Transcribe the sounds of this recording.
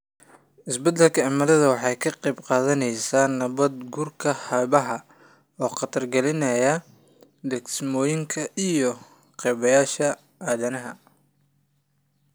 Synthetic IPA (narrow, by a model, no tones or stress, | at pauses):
ʔɪsbɐd̪ɛlkʰɐɐmɐðɐðɐwɑħɑjkʰɐqɛjbqɑːðɐnɛjsaːnɐβɐd̪ɡuːrkʰɐhɐβɐɦɐ | ɔːqɑt̪ʰɐrɡɛlɪnɐjɐ | d̪ɛksmɔːjɪŋkʰɐʔijɔ | qɛjβɐjaːʃɐ | ʔaːðɐnɐɦɐ̰